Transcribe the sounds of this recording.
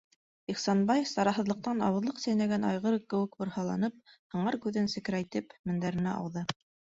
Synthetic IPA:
iχsɑnbɑjsɑɾɑɦɤ̆ðlˠɤ̆q̚t̪ɑnɑ̰wɤ̆ðlˠɤqsæjnæɡænɑ̰jʁɤɾkːɘ̆wɘkbŏɾhɑlˠɑnɤp̚hɤ̆ɴɑɾkʉðɘnsɘ̆kɾæjt̪ɘpmɘ̆nd̪æɾɘ̆næʔɑ̰wðɤ

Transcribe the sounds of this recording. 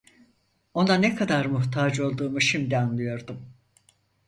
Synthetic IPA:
o̞nanekʰad̪aɾmuht̪ʰaːd͡ʒo̞lˠd̪uːmuʃimd̪ianlˠɯjo̞ɾd̪um

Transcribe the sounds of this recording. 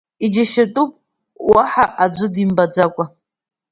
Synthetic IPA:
id͡ʒaʃatʼupʼ | waħaʔad͡ʒʷʊdimbad͡zakʷʼa

